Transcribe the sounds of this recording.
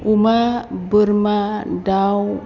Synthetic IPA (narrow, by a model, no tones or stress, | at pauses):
umabərmadaw